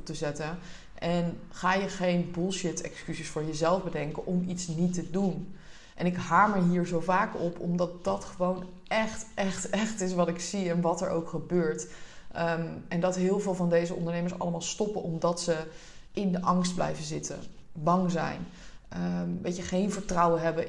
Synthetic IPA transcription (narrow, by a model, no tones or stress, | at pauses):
p̚təzɛtən | ʔɛnχaːjəχejnbʊlˠʃɪtɛ̰kskyzisfʊːɹjəzɛlˠfbədɛŋkənʔɔmitsnitədun | ʔɛnɪkɦaːməɹɦiːɹzowvaːkɔpɔ̰mdɑt̚dɑtχəʋown | ɛχtʔɛχtɛχtɪs̬ʋɑtɪksiɛnʋɑtɛ̰ɹʔo̰wkχəbøːɹt | ɛndɑtɦɪːlˠvɪːlˠvɑndejzəɔ̰ndəɹnejməɹsɑ̰ləmaːlˠstɔpənɔmdɑtsə | ɪndəʔɑŋsd̚blɛ̰jvəzɪtə̰bɑŋzɛ̰jnəʋejcəχejnvəɹtrɑwənɦɛbə